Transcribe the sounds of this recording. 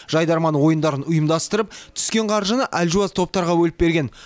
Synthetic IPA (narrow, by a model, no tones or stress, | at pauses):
ʒ̥ɑjd̪ɑɾmɑnwo̞jənd̪ɑɾənʊjəmd̪ɑst̪əɾəp̚t̪ʰʏ̥skʲe̞ɴqʰɑɾʒənəʔælʲʒuazt̪ʰo̞p̚t̪ɑɾʁɑwɵlɪp̚be̞ɾɡʲe̞n